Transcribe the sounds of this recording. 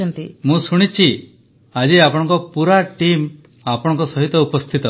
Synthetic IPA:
nt̪imũsuɽ̃it͡ʃʰi | ad͡ʒiapɔɽ̃ɔ̃ŋkɔpuɾaʈim | apɔɽ̃ɔŋkɔsɔɦit̪ɔupɔst̪ʰit̪ɔ

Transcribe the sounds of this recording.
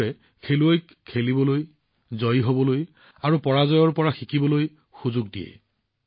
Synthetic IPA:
ɛ | kʰeluojk | kʰelibɔloj | zɔjɦobɔloj | aɹupɔɹazɔjɔɹpɔɹaxikibɔloj | xuzʊɡ̚dijɛ̰

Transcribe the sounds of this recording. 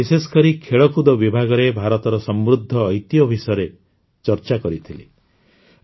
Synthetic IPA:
isesɔ̥kɔɾikʰeɭɔkud̪ɔbibʱaɡɔɾebʱaɾɔt̪ɔɾɔsɔmɾud̪ʱːɔːjt̪ijɔbʱisɔjɔɾe | t͡ʃɔɾt͡ʃakɔɾit̪ʰili

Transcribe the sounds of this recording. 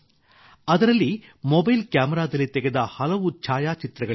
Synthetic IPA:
ɐd̪ɐɾɐlːimɔbɐjlkjaːmɛɾaːd̪ɐlːit̪ɛɡed̪ɐhɐlɐʋut͡ʃʰaːjaːt͡ʃit̪ɾɐɡɐ

